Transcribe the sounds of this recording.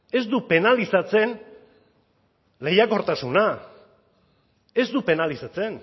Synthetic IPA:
e̞zd̪upe̞nalisat͡se̞n | le̞jako̞ɾt̪asuna | e̞zd̪upe̞nalisat͡se̞n

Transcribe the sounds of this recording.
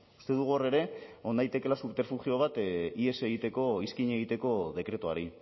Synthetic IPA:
u̥st̪e̞ðuɣ̞uore̞ɾe̞o̞ndajt̪e̞ke̞lasupe̞ɾfuʝio̞β̞at̪ie̞seɣit̪e̞ko̞iskiɲe̞ɣ̞it̪e̞ko̞ðe̞kɾe̞t̪uaɾi

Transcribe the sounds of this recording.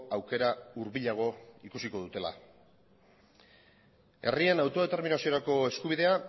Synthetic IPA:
awke̞ɾauɾβiʎaɣ̞o̞ikusiko̞ðut̪e̞la̰ | e̞̰rienawt̪o̞ð̞e̞t̪e̞ɾminasio̞ɾako̞e̞skuβ̞iðe̞a

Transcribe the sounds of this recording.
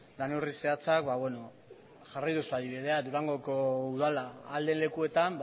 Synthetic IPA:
lanurise̞at͡sakbaβwe̞no̞ | ʝarajðusuað̞iβ̞iðe̞ad̪uɾaŋɡo̞ko̞uðalaːld̪e̞nle̞kue̞t̪amb

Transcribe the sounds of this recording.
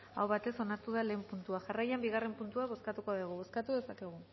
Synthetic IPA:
a̰wβat̪e̞so̞naɾt̪uðale̞ːmpunt̪uaʝarajambiɣ̞are̞mpunt̪uaβ̞o̞skat̪uko̞ðeɣ̞uβo̞skat̪uðe̞sake̞ɣ̞u

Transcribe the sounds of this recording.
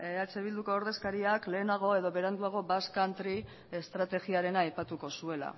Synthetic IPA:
eat͡se̞β̞ild̪uko̞ːɾðe̞skaɾiakle̞ːnaɣ̞o̞e̞ðo̞βe̞ɾand̪uaɣ̞o̞baskant̪ɾi | e̞st̪ɾat̪e̞ɣiaɾe̞naːjpat̪uko̞sue̞la̰

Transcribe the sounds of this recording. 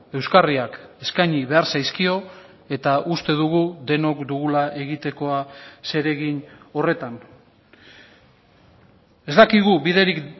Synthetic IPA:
e̞wskariake̞skajɲiβ̞e̞aɾsajskio̞ | e̞t̪aʔust̪e̞ð̞uɣ̞ud̪e̞no̞kd̪uɣulaʔe̞ɣit̪e̞ko̞ase̞ɾe̞ɣino̞re̞t̪an | e̞zd̪akiɣ̞uβiðe̞ɾik

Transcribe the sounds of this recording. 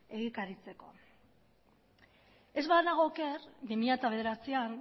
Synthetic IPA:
e̞ɣ̞ikaɾit͡se̞ko̞ | e̞zβaðnaɣoke̞ɾbimiʎat̪aβe̞ð̞e̞ɾat͡sian

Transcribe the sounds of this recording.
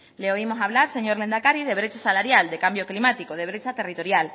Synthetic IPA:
leo̞imo̞saβlaɾse̞ɲoɾle̞nd̪akaɾið̞e̞βɾe̞t͡ʃasalaɾjald̪e̞kambjo̞klimat̪ikoð̞e̞β̞ɾe̞t͡ʃat̪e̞rit̪o̞ɾjal

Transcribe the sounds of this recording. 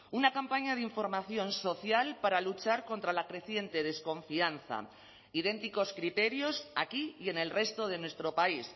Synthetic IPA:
unakampaɲað̞iɱfoɾmaθjo̞nso̞θjalpaɾalut͡ʃaɾko̞nt̪ɾalakɾe̞θje̞nt̪e̞ðe̞skõ̞ɱfianθa̰ | iðe̞nt̪iko̞skɾit̪e̞ɾjo̞sakije̞ne̞lre̞st̪o̞ð̞e̞nwe̞st̪ɾo̞pais

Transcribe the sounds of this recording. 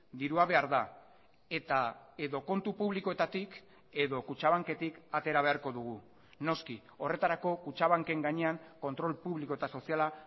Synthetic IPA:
d̪iɾuaβ̞e̞aɾða | e̞t̪ae̞ðo̞ko̞nt̪upuβliko̞e̞t̪at̪ik | e̞ðo̞kut͡ʃaβaŋke̞t̪ikat̪e̞ɾaβe̞aɾko̞ðuɣ̞u | no̞ski | o̞re̞t̪aɾako̞kut͡ʃaβ̞aŋke̞ŋɡaɲe̞aŋko̞nt̪ɾo̞lpuβliko̞e̞t̪aso̞siala

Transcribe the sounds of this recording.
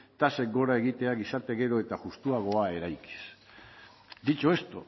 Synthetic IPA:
t̪ase̞k̚ɡo̞ɾae̞ɣit̪e̞aɣisaɾt̪e̞ɣe̞ɾo̞e̞t̪aʝust̪uaɣ̞o̞ae̞ɾajki̥s | d̪it͡ʃoe̞st̪o

